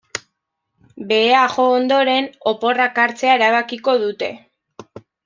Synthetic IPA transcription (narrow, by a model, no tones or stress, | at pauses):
be̞aʝo̞ːnd̪o̞ɾe̞no̞po̞rakaɾt͡se̞aeɾaβ̞akiko̞ðut̪e̞̰